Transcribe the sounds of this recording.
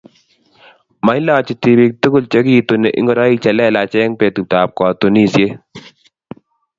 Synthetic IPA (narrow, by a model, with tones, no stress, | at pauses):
ma˨˦i˦la˦t͡ʃi˨˧t̪i˨bi˧k̚t̪u˦kʊ˦lt͡ʃə˦ki˦t̪une˨ʔḭ˦ŋɡɔ˨ɾa˦i˦t͡ʃɐ˨lɛ˦la˨t͡ʃɛ˦ŋpe˨t̪u˨t̪aː˨p̚kɔ˨t̪u˨ni˦sje˦